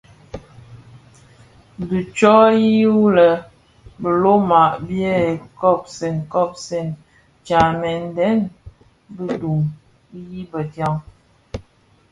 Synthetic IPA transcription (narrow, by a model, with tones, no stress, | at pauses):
du˨t͡ʃɔ˦ji˦u˦lə˨ | bə˨lo˦ma˨ʔbjɛ˦e˨kɔ˦˨p̚se˨ŋ˨kɔ˦˨p̚se˨n | t͡ʃa˨mɛ˨n˨dɛ˦n | bə˦du˨ŋ˦ | ji˦bə˨dja˦ŋ